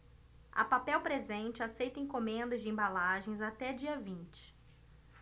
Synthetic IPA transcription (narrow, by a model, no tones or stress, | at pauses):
ɐ̰papɛwpɾezẽnt͡ʃɪasejt̪ɐẽkõmẽnd̪ɐzd͡ʒɪẽbalaʒẽj̃zat̪ɛd͡ʒiɐvĩnt͡ʃɪ̥